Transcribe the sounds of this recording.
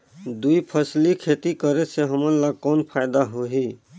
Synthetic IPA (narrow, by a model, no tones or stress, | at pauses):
d̪uipʰəslikʰet̪ikəɾeseɦəməɾlaɡ̚kɔːnpʰaɪd̪aɦoɦi